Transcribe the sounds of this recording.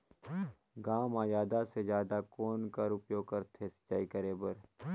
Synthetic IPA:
ɡaːmaːjaːd̪ased͡ʒjaːd̪akoːnkəɾʊpjoːɡ̚kɐɾt̪ʰesə̥t͡ʃːaːikəɾeːbəɾ

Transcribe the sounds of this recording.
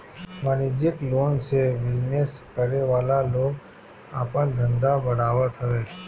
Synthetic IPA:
manid͡ʒiklonseʋɪd͡ʒneskəɾeʋalalok | apə̃nd̪ʱənd̪abəɽaʋat̪ʰəʋet͡ʃʰ

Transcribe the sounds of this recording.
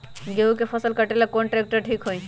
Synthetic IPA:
ɡeukepʰəsəlkəʈelakoɳʈɾek̚ʈəɾʈʰiːkɦoi

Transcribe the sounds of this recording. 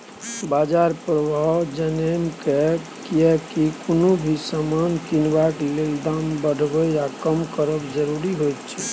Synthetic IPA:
bad͡ʒaɾpɾəbʱawd͡ʒənemke | kiɛkikonobʱisamankinbakleld̪ambəɖʱbɛjakəmkəɾəbd͡ʒəɾuɾiɦojt̪t͡ʃʰɛ

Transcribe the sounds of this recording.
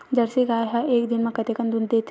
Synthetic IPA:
d͡ʒɐɾsiɡaːɦɛʔeːkd̪ɪnmẽkɐt̪ekə̃nd̪und̪eːt̪ʰ

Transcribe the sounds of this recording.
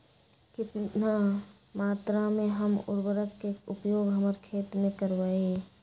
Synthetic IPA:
kɪt̪na | maːt̪ɾamẽɦəmʊ̰ɾbəɾəkkekʊpjoːɡɦəməɾkʰeːt̪mẽkəɾʋaːe

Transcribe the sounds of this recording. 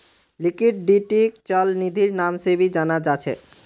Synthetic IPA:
likiʈ̚ɖiʈikt͡ɕɔlnid̪ʱiɾnamsebid͡ʑanad͡ʑat͡ɕʰḛ

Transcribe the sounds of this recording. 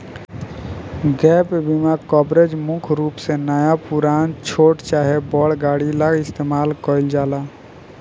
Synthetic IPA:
ɡɛːpbimakɔːbɾed͡ʒmʊkʰɾuːpsenəjapuɾaːnt͡ʃʰoːʈt͡ʃaːɦebɔːɽɡaːɽilaɡɪst̪eːmaːlkɔɪld͡ʒaːlaː

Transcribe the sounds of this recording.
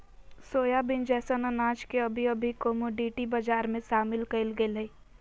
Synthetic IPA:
soːjabɪnd͡ʒɛːsənɐnaːd͡ʒkeɐbʱiɐbʱikoːmoɖiːʈibɐd͡ʒaːɾmẽʃaːmɪlkɐɪlɡelɐi

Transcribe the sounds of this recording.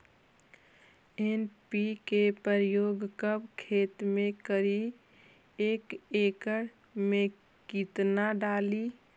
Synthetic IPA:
enpikepəɾjoːɡkəbkʰeːt̪mẽkəɾi | eːkeːkəɽ | mẽ | kit̪naɖaːli

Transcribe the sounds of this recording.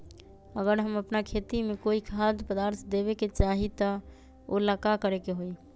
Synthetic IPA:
əɡəɾɦəməpnakʰet̪imekoikʰad̪pəd̪aɾt̪ʰd̪eβeket͡ʃaɦit̪ə | o̰ləkakəɾekeɦoi

